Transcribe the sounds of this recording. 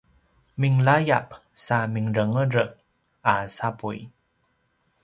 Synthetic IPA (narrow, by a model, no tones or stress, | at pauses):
miŋlajap̚samiŋɾəŋəɾək̚ | ʔasapṵj